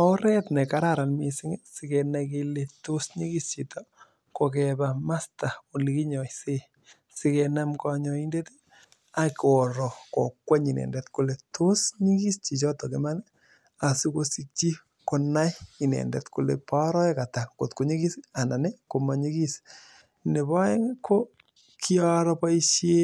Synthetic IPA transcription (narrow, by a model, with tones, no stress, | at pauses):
ɔ˦ɾɛ˦tnɛ˨ka˦ɾaɾa˨nmi˨si˦ŋe˦sike˨naki˧letu˦sɲi˦ki˦st͡ʃi˨to | ko˨kɛba˨ma˦sta˨o˨li˨ki˦ɲɔ˨jse˦ | si˦kena˦mkɔ˦ɲɔ˦i˦nde˦te̥˦ | a˨kɔ˨ɾɔ˨ko˨kwa˦ɲi˨nɛ̰˨ndɛ˨tku˨le˨tʰu˦sɲi˦ki˦st͡ʃi˨t͡ʃɔ˦tɔ˨ke˦ma˦n | a˨si˦ko˦si˦k̚t͡ʃi˦ | ko˨na˦jɲi˨nɛ̰˨ndɛ̰˨tku˨lḛ˨pa˦ɾɔ˦ɛ˦ka˨ta˨ko˨tku˨˦ɲi˦ki˦sia˨na˨ne˦ko˨ma˨ɲi˦ki˦s | ne˨ba˦e˦kʰo˦ | kʰi˦ɔ˦ɾɔpa˦iʃje˦